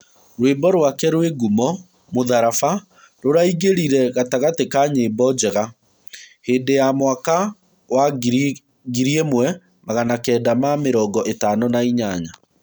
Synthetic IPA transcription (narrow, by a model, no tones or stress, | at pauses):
ɾwembɔɾwakɛɾweɡumɔ | moðaɾafa | ɾoɾaiɣeɾiɾɛɣataɣatekaɲeːbɔd͡ʒɛɣa | heːndejamwaka | wa | ɡiɾiemwɛ | maɣanakɛːdamameɾɔːɡɔʔetaːnɔnaiɲaɲa